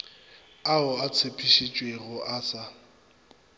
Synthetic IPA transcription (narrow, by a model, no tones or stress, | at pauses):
aʊat͡sʰepʰʼiʃit͡ʃʼweɣʊʔaːt͡sʼa